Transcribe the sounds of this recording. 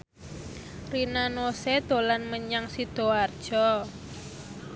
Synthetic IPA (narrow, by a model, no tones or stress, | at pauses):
rinanosed̪̥o̤lanməɲaŋsid̪̥o̤ard̥ʒ̥ɔ